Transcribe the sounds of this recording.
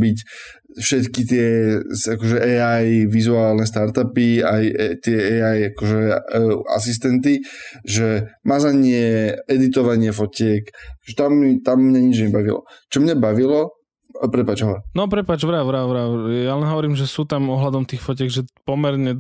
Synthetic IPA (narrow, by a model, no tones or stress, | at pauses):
bic | fʃɛt̪kit̪̬ɪɛsakɔʒɛʔɛːajʋizuaːlnɛst̪aɾt̪apiajt̪ɪɛɛajakɔʒɛa̰sis̬t̪ɛnt̪iʒɛmazaɲɪɛɛd̪it̪ɔʋaɲɪɛfɔcɪɛkakɔ̥ʒɛt̪amt̪amːɲaɲid͡ʒɲɛbaʋilɔ̰t͡ʃɔmɲabaʋilɔ | pɾɛpaːd͡ʒɦɔʋɔɾnɔpɾɛpaːd͡ʒʋɾaʋɾaʋɾajalɛnɦɔʋɔɾiːmʒɛsuːt̪amɔɦlad̪ɔmt̪iːxfɔcɛɡʒɛpɔmɛɾɲɛ